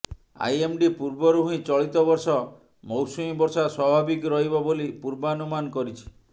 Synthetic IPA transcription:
a̰jemɖipuɾbɔɾuɦuɦĩt͡ʃɔɭit̪ɔbɔɾsɔ | mowsumibɔɾsaswabʱabikɾɔɦibɔbolipuɾbanumankɔɾit͡ʃʰi̥

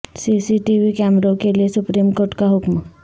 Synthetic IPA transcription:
sisiʈiʋikɛmɾõkeliesupɾiːmkoːɾʈkaɦʊkm

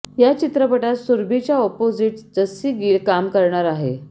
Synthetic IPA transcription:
jat͡ɕit̪ɾəpəʈat̪suɾbʱit͡ɕjaɔpod͡ziʈd͡zəsiːɡiːlkamkəɾɳaɾaɦḛ

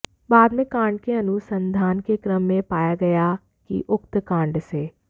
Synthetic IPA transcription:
baːd̪mẽkãːɳɖkeɐnʊsə̃nd̪ʱaːnkekɾəmːẽpaːjaɡɐja | kḭʔʊkt̪kãːɳɖseː

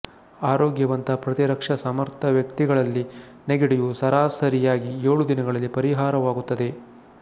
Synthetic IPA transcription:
aːɾoːɡjɐʋɐnt̪ɐpɾɐt̪iɾɐkʂɐsɐmɐɾt̪ʰɐʋjɐkt̪iɡɐɭɐlːi | neɡeɽijusɐɾaːsɐɾijaːɡieːɭud̪inɐɡɐɭɐlːipɐɾiɦaːɾɐʋaːɡut̪ːɐd̪e̞

